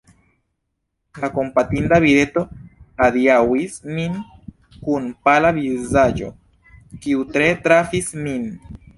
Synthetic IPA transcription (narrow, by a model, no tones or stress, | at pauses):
lako̞mpatindaviɾe̞to̞adiawismin | kunpalavizad͡ʒo̞̰ | kiutɾe̞tɾafismin